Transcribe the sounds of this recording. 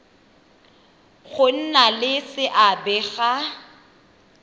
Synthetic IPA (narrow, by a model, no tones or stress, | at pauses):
ɣʊn̩nalɪsɪʔabɛɣa